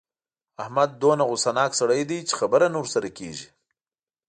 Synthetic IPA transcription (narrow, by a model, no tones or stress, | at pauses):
ahmad̪̚ːonaɣʊsanɑksaɽəjd̪ejt͡ʃe̥xabəɾanuɾsaɾakḛʒi